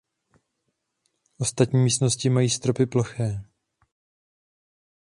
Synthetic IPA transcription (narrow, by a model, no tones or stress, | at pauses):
ʔo̞st̪at̪ɲiːmiːst̪no̞scɪmajiːst̪ɾo̞pɪpləxɛː